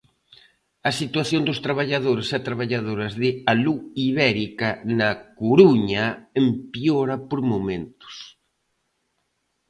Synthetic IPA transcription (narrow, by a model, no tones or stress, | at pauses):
ɐsit̪waθjond̪ʊst̪ɾaβaʎaðoɾɪset̪ɾaβaʎaðoɾɐzðɪaluiβɛɾikɐnɐkuɾuɲɐempjoɾɐpoɾmomẽnt̪ʊ̥s